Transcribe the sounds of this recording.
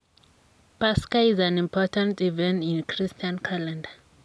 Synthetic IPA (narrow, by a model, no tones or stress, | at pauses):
paskaizãnĩmpʰɔtʰãntivɛ̃ntĩnkʰɹistʰiãnkʰalɛ̃nda